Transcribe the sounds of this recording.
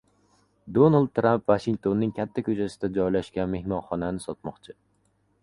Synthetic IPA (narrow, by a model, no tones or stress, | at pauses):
d̪onald̪̚t̪ːɾampvaʃɪŋkt̪ʰonːɪŋkʲʰat̪ʰːakʲʰɵt͡ʃʰasɪd̪ad͡ʒɒjlaʃkʲanme̞hmɒnχɒnanɪsɒt̪mɒqt͡ʃʰɪ